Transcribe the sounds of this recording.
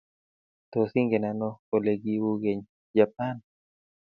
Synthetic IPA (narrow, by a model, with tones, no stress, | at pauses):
t̪o˨si˦ŋɡe˨nanɔo˨le˨ɡi˦wu˦ɡe˨ɲ | d͡ʒap̚an